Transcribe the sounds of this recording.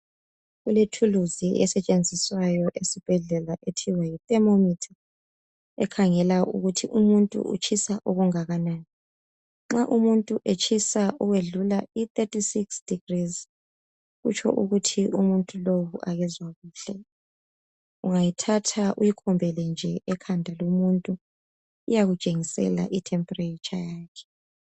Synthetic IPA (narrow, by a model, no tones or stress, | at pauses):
ɣuletʰuluziʔɛsɛt͡ʃʼend͡zʱiswajɔʔesib̥ʱɛɮɛlaʔetʰiwajit̪ʼɛmomitʰḁ | ɛ̰kʰaŋɛlaṵɣutʰiʔumuntʼṵṵt͡ʃʰʼisaʔuɣuŋaɣanaːni | ŋ͡ǁaʔumuntʼuʔet͡ʃʰʼisaʔuɣweɮulait̪ʼetʼisiksd̥iɡriz | ɣṵt͡ʃʰɔ̰ʔuɣutʰiʔumuntʼulowuʔaɣɛzwaɣuːɬɛ | uŋajitʰatʰaʔujikʰɔmbʱɛlɛnd͡ʒʱɛʔɛkʰandʱalomuntʼu | ujaɣut͡ʃʼeŋisɛ̰la̰ʔitʰɛmpʼɔreit͡ʃʼajaːkʰɛ̥